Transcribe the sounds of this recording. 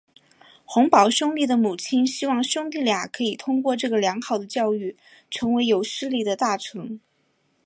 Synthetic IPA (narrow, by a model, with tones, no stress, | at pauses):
xʊ˧˥ŋpɑ˨˩ʊɕjʊ˥ŋt̪i˥˩d̪ə˩mu˨˩t͡ɕʰi˥nɕi˥wɑ˥˩ŋɕjʊ˥ŋt̪i˥˩lja˨˩kʰɤ˧˥i˨˩t̪ʰʊ˥ŋkwɔ˥˧ʈ͡ʂɤ˥˩ɡə˩ljɑ˧˥ŋxɑ˨˩ʊd̪ə˦t͡ɕjɑ˥˧ʊy˥˩ | ʈ͡ʂʰɤ˧˥ŋwe˧˥ɪjo˧˥ʊʂɻ̩˥li˥˩d̪ə˩t̪a˥˩ʈ͡ʂʰɤ˧˥ŋ